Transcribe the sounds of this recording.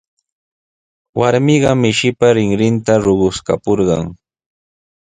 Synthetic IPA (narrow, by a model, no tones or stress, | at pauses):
waɾmɪɢɑmɪʃɪpaɾɪŋɾɪnt̪aɾʊɢʊska̰poɾɢɑ̰ŋ